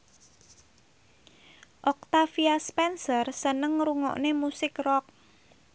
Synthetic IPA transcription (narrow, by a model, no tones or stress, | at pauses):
ʔɔk̚t̪afiaspɛnsərsənəŋɾuŋɔ̰ʔnemusɪkrɔk̚